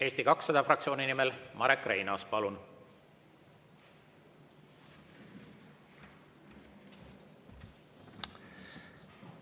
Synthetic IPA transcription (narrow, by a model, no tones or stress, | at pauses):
e̞ːst̪ikɑksːɑd̪̥ɑfrɑkt̪sio̞ːninimelmɑɾekːˑrejnɑspɑlun